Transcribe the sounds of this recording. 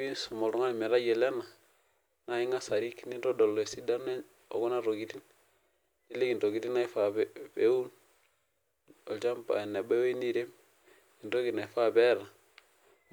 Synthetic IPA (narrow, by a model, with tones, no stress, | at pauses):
i˦nsɔ˨mo˨ɾu˦ŋa˦lme˨ɾa˦je˨le˦na˨ | na˨i˦ŋa˦sa˨ɾi˦kni˦nɾo˦do˨lːo˨e˨si˦da˦ne˦ | o̰˨ɡo˦na˦˨ɾo˨ɡi˨˦ti˦n | ti˦le˦ki˨nto˨ɡi˨ti˦na˦i˦fa˨pe˦wu˦n | o˨lt͡ʃa˦mpa̰˨ne˨be˦we˦ni˦˨ɾe˦m | i˨nto˦ɡi˨na˨i˨fa˦be˦ɾa˨